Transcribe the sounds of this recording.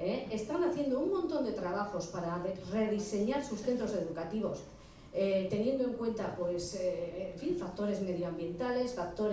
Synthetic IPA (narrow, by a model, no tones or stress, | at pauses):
eest̪anaθje̞nd̪ouŋmõnt̪o̞nd̪e̞t̪ɾaβ̞axo̞spaɾare̞ðise̞ɲaɾsusθe̞nt̪ɾo̞se̞ðukat̪iβ̞o̞s | t̪e̞nje̞nd̪o̞e̞ŋkwe̞nt̪apwe̞seːɱfiɱfak̚t̪o̞ɾe̞zme̞ðjoambje̞nt̪ale̞sfak̚t̪o̞ɾ